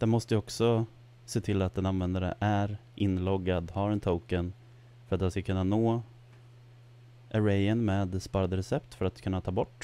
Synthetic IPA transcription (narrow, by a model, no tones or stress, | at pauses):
d̪̥ɛnmɔst̪əjəɔksɔ | seːt̪ʰɪlːat̪̚d̪ɛnanvɛnd̪aɾə̰ʔæɾʔɪnːlɔɡːad̪haɾɛnt̪ʰowkən | fœɾat̪d̪ɛnskakʰɵnːanoː | ʔæɾɛjənmeːd̪spɑːɾad̪əɾɛsɛpt̪fœɾat̪kʰɵnːat̪ʰɑːbɔʈː